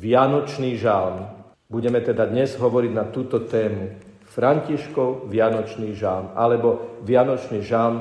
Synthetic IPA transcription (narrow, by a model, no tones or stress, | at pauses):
ʋɪanɔt͡ʃniːʒalm | buɟɛmɛt̪ɛd̪ad̪ɲɛzɦɔʋɔɾiɟnat̪uːt̪ɔt̪ɛːmu | fɾaɲciʃkɔʊʋɪanɔt͡ʃniːʒalmalɛbɔʋɪanɔt͡ʃniːʒalm